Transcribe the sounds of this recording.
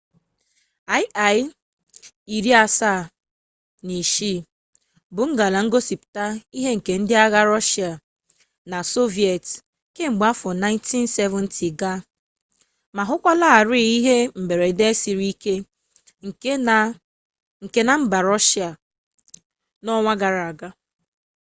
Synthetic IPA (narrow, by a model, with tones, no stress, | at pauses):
a˦ɪ˦ʔa˨j | i˨ɾi˦a˦sa˦˨ | ni˨ʃi˦ | bʊ˨ŋ̩˦ɡa˨la˨ŋ̩˦ɡo˦si˨pta˦i˦ɦe˦ŋ̩˨ke˨n̩˦dɪ˦a˦ɣa˦ɾɔ˦ʃi˨a˨ | na˨so˦vi˨e˨t | ke˦ŋ͡m̩˨ɡ͡ba˦fɔ˨na˦ɪ˦ntʰi˦n˦se˦vʊ˦n̩tʰi˨ɡa˦ | ma˨ɦʊ˦kʷa˦la˦a˨ɾi˦˨i˦ɦe˦m̩˨be˨ɾe˨de˦si˨ɾi˦ke˦ | ŋ̩˨˦ | ŋ̩˨ke˦na˦m̩˦ba˨ɾɔ˦ʃa˨ | nɔ˦ŋʷa˦ɡa˨ɾa˨ɡa˦